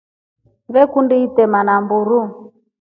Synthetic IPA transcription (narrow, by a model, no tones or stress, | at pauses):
βɛkundiitɛmanambuɾu